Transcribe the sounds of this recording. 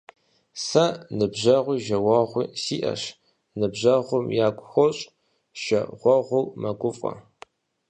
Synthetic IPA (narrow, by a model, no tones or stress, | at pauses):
sɐnɨbʑɐʁʷiːʒɐwɐʁʷḭːsiːʔɐ̰ɕ | nɨbʑɐʁʷʊmjaːkʷʼʊxʷɔɕʼ | ʃɐʁʷɔʁʷʊwmɐɡʷʊfʼɐ̰